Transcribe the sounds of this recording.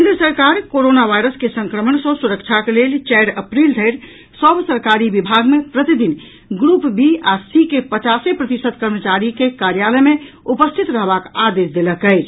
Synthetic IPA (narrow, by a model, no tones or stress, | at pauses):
kend̪ɾəsəɾkaɾkoɾonabʱajɾəskesəŋkɾəmənsə̃suɾəkt͡ʃʰakelelt͡ʃɛjɾəpɾild̪ʱəɪɾ | səbsəɾkaɾibibʱaɡmepɾət̪id̪in | ɡɾupbiasikepət͡ʃasepɾət̪isəd̪kəɾmət͡ʃaɾikekaɾjaləjmẽ | upəst̪ʰit̪ɾəɦbakad̪esd̪eləkəɪt͡ʃʰ